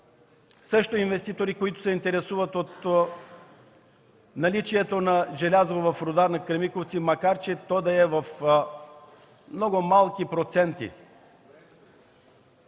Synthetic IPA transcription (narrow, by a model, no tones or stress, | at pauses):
sɤʃt̪oinvɛst̪it̪oɾikoit̪ʊ̥sɛint̪ɛɾɛsuvət̪ot̪ | nɐlit͡ʃiɛt̪onɐʒɛlʲazovɐfɾod̪aɾnɐkɾɐmikoft̪simɐkaɾt͡ʃɛt̪ɔd̪ɐɛvɐf | mnɔɡomalˠkʲipɾot̪sɛnt̪ḭ